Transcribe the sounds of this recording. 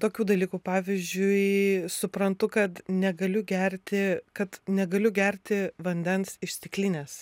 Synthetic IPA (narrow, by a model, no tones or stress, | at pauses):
t̪oːkʲuːd̪ɐlʲiːkuːpɑːʋʲizʲd͡ʒʲʊɪsʊpɾɐnt̪ʊkɐt̪nʲɛɡɐlʲʊɡʲɛɾʲt̪ʲɪkɐt̪nʲɛɡɐlʲʊɡʲɛɾʲt̪ʲɪʋɐnʲd̪ʲɛnsɪʃʲst̪ʲɪklʲiːnʲeːs